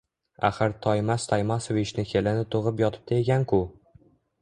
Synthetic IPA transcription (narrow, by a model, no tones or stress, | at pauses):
a̰χɨɾt̪ʰɒjmast̪ʰajmasovɪt͡ʃnɪkʲʰelɪnɪt̪ʰoʁɪp̬jɒt̪ʰɪp̚t̪ʰaeɡʲankʰʊ